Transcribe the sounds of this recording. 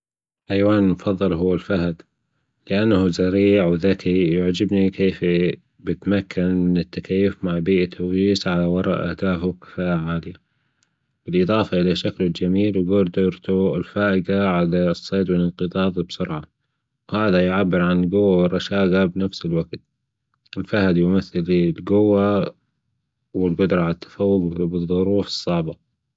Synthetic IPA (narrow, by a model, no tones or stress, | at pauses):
ʔajwaːnmʊfɑðˤːɨlɦʊwːɪlfaɦad̪ | lɪʔanːahzaɾiːʕwðakijʊʕd͡ʒɪbnikeːf | bɪt̪makʰːanmɪnɪt̪ːakajːʊfmaʕbiːʔat̪ʰːawiːsʕalawɑɾˤɑ̰ʔʔa̰hd̪aːfʊwkɪ̥faːʔaʕaːlɪja | b̥ɪlʔɨðˤɑːfaʔɪlaʃaklɪld͡ʒamiːlwɡuːɾd̪oːɾt̪uɪlfaːʔɪɡaʕalasˤːeːd̪wɪlɪnqɨd̪ˤɑːðˤbsʊɾʕɑ | whaːðajʊʕabːɪɾʕanɪlɡʊwːawɪrˤːɑʃaːɡabnafsɪlwaɡt̪̚ | ʔɪlfahad̪jʊmaθːallɡʊwːa | wɪlbʊd̪ɾˤɑʕalat̪ːḁfawːʊɡbɨðˤːʊɾuːfɨ̥sˤːɑʕbaq